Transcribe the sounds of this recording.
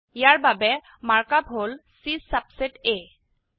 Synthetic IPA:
jaɹbabɛ | maɹkap̚ɦolsisabsete

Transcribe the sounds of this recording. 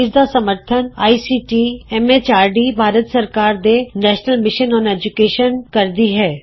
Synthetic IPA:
zd̪asɐməɾt̪ʰəna̰ːisiːʈiɛmet͡ʃaːɾɖibʱaːɾət̪sɐɾkaːɾd̪enɛːʃnəlmɪʃənɔ̃ːneːd͡ʒukeːʃənkɐɾd̪iɦɛː

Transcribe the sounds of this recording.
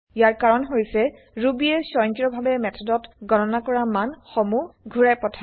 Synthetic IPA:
ijaɹkaɹɔnɦojsɛ | ɹubiɛsɔjŋkɹɔbʱabɛmɛtʰɔdɔtɡɔnɔnakɔɹamanxomuɡʱuɹajpɔtʰa

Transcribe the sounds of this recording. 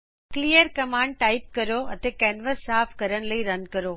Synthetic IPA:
kliːjəɾkɐmaːɳɖ̚ʈaːɪp̚kɐɾoɐ̰t̪ekɛːnʋəsːaːfʰkɐɾəɽ̃lɐiɾɐnkɐɾoː

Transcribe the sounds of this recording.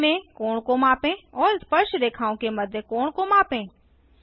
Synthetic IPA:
mẽkoːɳ̃komãːpẽɔːɾspəɾʃd̪eːkʰaːõkemɐd̪ʱjəkoːɳ̃komaːpẽː

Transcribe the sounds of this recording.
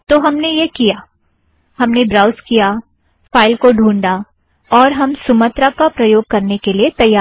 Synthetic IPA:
t̪oɦɐmnejekijaː | hɐmnebɾaːʊskija | faːɪlkoɖʱũːɳɖa | ɔːɾɦɐmsʊmət̪ɾakapɾɐjoːɡ̚kɐɾnekeliet̪ɐjːaː

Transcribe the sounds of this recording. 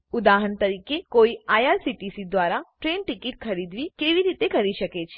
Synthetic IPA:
ʊd̪aɦənt̪əɾiːkekoiaːjaːɾsiʈisid̪ʋaːɾaʈɾeːnʈɪkɪʈ̚kʰəɾid̪ʋikeːʋiɾiːt̪ekəɾiʃəket͡ʃʰe

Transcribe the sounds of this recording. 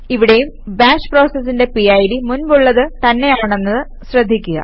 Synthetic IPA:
iʋiɽe̞jum | baːɕpro̞ːsɐsːinde̞piɐjɽimunʋuɭːɐðɨt̪ɐnːe̞jaːɳe̞nːɐðɨ | ɕrɐd̪ʱːikʲːuɣɐ̰

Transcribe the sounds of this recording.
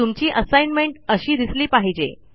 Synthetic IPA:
t̪umt͡ɕiːʔəsajnmeɳʈəɕiːd̪isliːpaɦid͡ʑḛ

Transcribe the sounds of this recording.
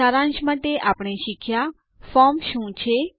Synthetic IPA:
aɾãnʃmaʈ̪eʔapɳ̃eʃikʰja | fɔmʃũt͡ʃʰe

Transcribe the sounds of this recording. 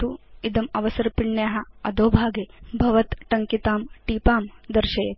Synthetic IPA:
t̪uid̪ɐmɐʋɐsɐɾpiɳːjaːɦɐɐd̪oːbʱaːɡeːbʱɐʋɐt̪ʈɐŋkit̪aːmʈiːpaːmd̪ɐɾʃɐjɐt̪

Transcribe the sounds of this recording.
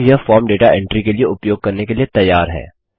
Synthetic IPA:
jɐfɔːɾmɖeːʈaʔɛ̃ɳʈɾikelieʊpjoːɡ̚kɐɾnekeliet̪ɐjːaːɾɦɛ̰ː

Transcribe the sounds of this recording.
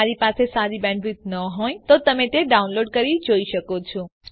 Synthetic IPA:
aɾipasesaɾibɛ̃ɳɖɾit̪̚nəɦojt̪ot̪əmẽt̪eɖaunloɖkəɾid͡ʒoiʃəkot͡ʃʰɔs

